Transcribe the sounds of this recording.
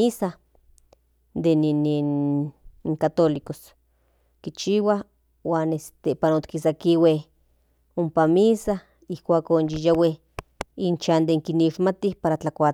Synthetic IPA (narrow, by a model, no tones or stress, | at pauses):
iːsa | d̪eninin | iŋkat̪olikos | kit͡ʃiwa | waːnest̪epanot̪kis̬akiweh | ompamiːsa | ihkʷaːkonjijaweh | int͡ʃand̪eŋkiniʃmat̪ihpaɾat͡ɬakʷa